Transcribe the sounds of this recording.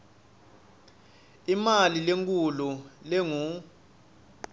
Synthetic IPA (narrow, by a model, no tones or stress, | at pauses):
imalileŋkʼululeŋu